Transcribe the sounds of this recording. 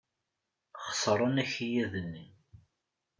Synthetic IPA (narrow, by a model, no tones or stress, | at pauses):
χə̥sˤɾˤənæçijæðənːi